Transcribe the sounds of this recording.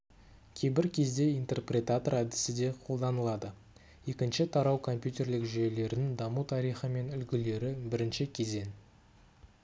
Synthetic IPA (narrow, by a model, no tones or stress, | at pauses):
kʲʰe̞jbɪɾkʲʰe̞zd̪e̞ijnt̪e̞rprʲe̞t̪at̪o̞ɾæd̪ɪ̥sɪd̪e̞qʰo̞lˠd̪ɑnəlˠɑd̪ə | je̞kʲɪnʃɪt̪ʰɑɾɑwkʰo̞mpʲjut̪ʲe̞rlɪkʒʏele̞ɾɪnɪŋd̪ɑmut̪ʰɑɾijχəme̞nʏlɡʲɪle̞ɾɪbɪɾɪnʃɪkʲʰe̞ze̞n